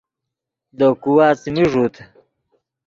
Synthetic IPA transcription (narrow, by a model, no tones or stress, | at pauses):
d̪okuwaːt͡smiʐuːt̪ʰ